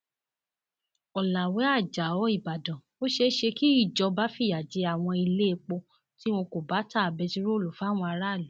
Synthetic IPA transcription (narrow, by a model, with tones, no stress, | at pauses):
ɔ˨la˨wɛ˨˦a˦˨d͡ʒa˨ɔ˨˦i˦˨ba˨dɔ̃˨ | o˦ʃe˧˦ʃe˧ki˦i˦˨d͡ʒɔ˧ba˦fi˦˨ja˨d͡ʒe˨˦a˨w̃ɔ̃˧i˧le˦e˧k͡po˧ | ti˦w̃õ˧ko˨ba˨˦ta˦˨a˨bɛ˨˧ti˦ɾo˦˨lo˨fa˨˦˨w̃ɔ̃˧a˧ɾa˦˨lɛ˨˦